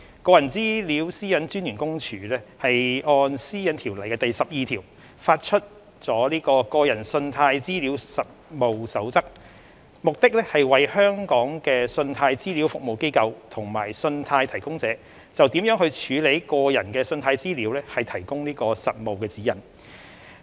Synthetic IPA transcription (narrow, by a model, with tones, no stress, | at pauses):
kɔː˧jɐ˨˩nt͡siː˥li˨˥wsiː˥jɐ˨˥nt͡ʃyː˥njyː˨˩nkʊ˥ŋt͡ʃʰyː˨˩lɛː˥hɐ˨jɔː˧nsiː˥jɐ˨˥nt̪ʰiː˨˩wlɐ˨˩jkɛː˧t̪ɐ˨jsɐ˨p̚jiː˨˧t̪ʰiː˨˩w | faː˧t̚t͡ʃʰɵ˥t̚ | t͡sɔː˨˥liː˥kɔː˧kɔː˧jɐ˨˩nsɵ˧nt̪ʰaː˧jt͡siː˥liː˨˥wsɐ˨t̚mo˨wsɐ˨˥wt͡sɐ˥k̚ | mʊ˨k̚t̪ɪ˥k̚lɛ˥hɐ˨jwɐ˨jhœː˥ŋkɔː˨˥ŋkɛː˧sɵ˧nt̪ʰaː˧jt͡siː˥li˨˥wfʊ˨k̚mo˨wke˥jkɐ˧wt̪ʰʊ˨˩ŋma̰ː˨˩jsɵ˧nt̪ʰaː˧jt̪ʰɐ˨˩jkʊ˥ŋt͡sɛː˨˥ | t͡sɐ˨wt̪iː˨˥mjœː˨˥ŋɦhɵ˧ɥt͡ʃʰyː˨˧le˨˥jkɔː˧jɐ˨˩nkɛː˧sɵ˧nt̪ʰaː˧jt͡siː˥liː˨˥wlɛː˥hɐ˨jt̪ʰɐ˨˩jkʊ˥ŋniː˥kɔː˧sɐ˨t̚mo˨wkɛː˧t͡siː˨˥jɐ˨˩n